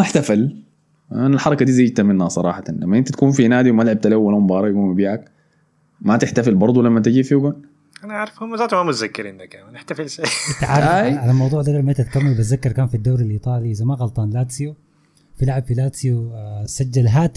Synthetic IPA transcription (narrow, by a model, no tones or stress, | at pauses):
maħt̪afal | analħɑɾˤɑkad̪iːzaːd͡ʒt̪amɪnhasˤɑɾˤɑ̰ːħɑt̪ɑnlamːaʔɪnt̪at̪kuːnfinaːd̪iwmaalʕab̚t̪alawːalahumbɑːɾˤɑjɡuːnmabiːʕak | mat̪ɪħt̪afɪlbɑɾˤd̪ˤulamːat̪ɪd͡ʒiːfiuɡan | ʔanaʕaʕɾɑfhumːazaːt̪umamʊt̪zakːɪɾind̪akːamanɪħt̪afɪlʃaʔɪnt̪aʕaːɾajʕalalmɑwd̪ˤuːʕd̪aɡalmaɪnt̪at̪kamːalbazːakːɑɾˤkaːnfid̪ːaːɾalʔiːt̪ˤɑːliʔɪzamaɣɑlt̪ˤɑːnlaːt̪siu | fɪlʕabfilaːt̪siusad͡ʒːalɦaːt̪